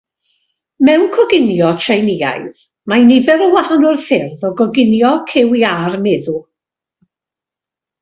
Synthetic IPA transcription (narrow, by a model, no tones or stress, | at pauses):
mɛwnkʰɔɡɪnjɔtʰrejnia̰jð | manɪvɛɾɔwahanɔrfɪrðɔɡɔɡɪnjɔkʰɪwiarnɪðu